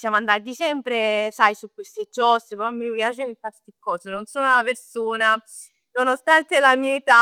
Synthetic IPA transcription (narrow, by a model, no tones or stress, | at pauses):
sjamoand̪aad̪it͡ʃɛmpɾesajsukːwest̪ed͡ʒɔsepɾmːipjat͡ʃenifast̪ikːɔːsenonsoːnalapeɾsuːna | nonost̪ant̪elamiait̪a